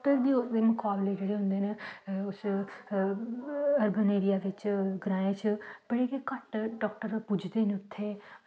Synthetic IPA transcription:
ʈəɾd̪iːʊd̪eːmʊkaːbleːd͡ʒeːɽeːɦʊ̃nd̪eːneʊs | əɾbəneːɾijaːʋɪt͡ʃɡɾãːẽt͡ʃb̥əɽeːkekəʈɖɔːk̚ʈəɾpʊd͡ʒd̪eːneʊt̪ʰːeː

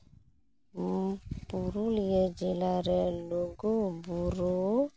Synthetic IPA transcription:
puɾulijɛd͡ʒelaɾɛloɡobuɾo

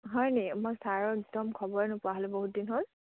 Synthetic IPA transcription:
ɦɔjnemojsaɹɔɹɛɡ̚dɔmkʰɔbɔɹɛnʊpʊaɦɔlɛboɦut̚dinɦol

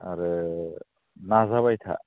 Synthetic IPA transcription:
a̰ɾɯ | nazaβajt̪ʰa̰

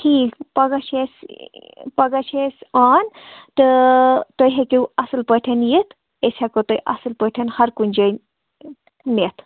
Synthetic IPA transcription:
ʈʰiːkpɐɡɐʃʰes | pɐɡɐʃesaːnt̪ɨt̪ojɦekiwɐsɨlpəjʈʰɐnjit̪ʰ | esʲhekot̪ojʔɐ̰sɨlpəʈʰɐnhɐɾkunʲd͡ʒɐj | net̪ʰ

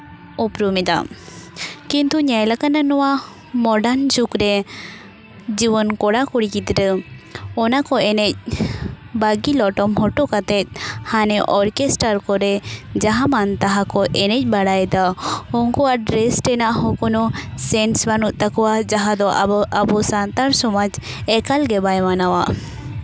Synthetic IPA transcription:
upɾumid̪a̰ | kint̪uɲajlakananɔwa | mɔɖand͡ʒukɾɛ | d͡ʒibɔnkɔɽakɔɽikit̪ɾəɔnakɔɛnɛc̚ | baɡilɔʈɔmɦɔʈɔkat̪ɛt̪̚hanɛʔɔɾkesʈaɾkɔɾɛd͡ʒaɦamant̪aɦakɔʔɛnɛc̚ˀbaɽajd̪aɔŋkɔwaɖɾɛsʈɛnaʔɦɔkɔnɔsɛnsbanuʔ̪̚ˀt̪akɔwad͡ʒaɦad̪ɔʔabɔsant̪aɾsɔmɔd͡ʒ | ɛkalɡɛbajmanawa

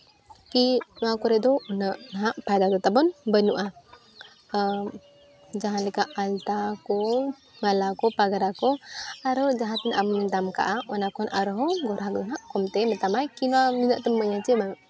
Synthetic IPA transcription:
kinuakuɾed̪ounəʔnəɦaʔpajd̪ad̪ot̪abɔnbənuʔa | ə | d͡ʒaɦaləkaʔːlt̪ako | malakopaɡaɾakoaɾəwd͡ʒaɦat̪inʔamd̪amka̰ʔaʔunakunʔaɾəɦoɡoɾaɦaɡənaʔkomt̪emət̪amajkinuaninəʔt̪əməɲat͡ʃiba

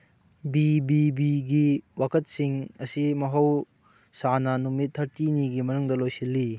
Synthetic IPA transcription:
bibibiɡiwakʰɐt̚siŋɐsimɐɦɐw | sanɐnumitʰːɐɾtiniɡimɐnuŋdɐlojsilːi

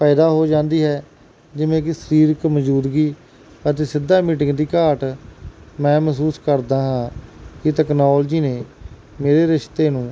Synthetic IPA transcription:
paːɪd̪aːɦoːd͡ʒãːnd̪iːɦɛː | d͡ʒɪʋẽːk̬ɪsəɾiːɾkməd͡ʒuːd̪ɡiː | ət̪̬eːsɪd̪ʱːaːmiːʈɪŋɡd̪iːkaːʈ | mɛ̃ːmsuːskəɾd̪aːɦãːkɪt̪ɛːknoːld͡ʒiːneː | meːɾeːɾɪʃt̪eːnũː

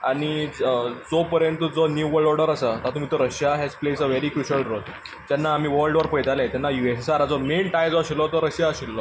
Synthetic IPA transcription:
aɽ̃i | d͡zopəɾjənt̪əd͡zonjuuʋəɖɔɾɖəɾasət̪at̪um̤iːt̪ɔɾəɕjaɦet͡splesəʋeɾiːkɾuɕəɭʈɾol | d͡ʑ̪anːaːm̤iːʋəɾlɖʋəɾpəjd͡zalat̪janːajuessaɾad͡zɔmenʈajd͡zɔɕilːɔt̪ɔɾəɕjaəɕilːɔ

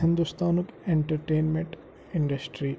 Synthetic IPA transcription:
ɦɪ̃nd̪ust̪aːnukeɳʈɐɾʈeːnmẽɳʈ | ɪ̃ɳɖɐsʈɾi

